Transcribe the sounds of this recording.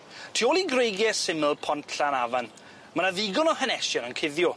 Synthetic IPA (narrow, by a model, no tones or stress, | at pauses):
tʰiːoːlˠiɡrejɡjɛsɪməlˠpʰɔntʰɬanavan | manaðiɡʊnɔhənɛʃjɔnənkʰɪðjʊ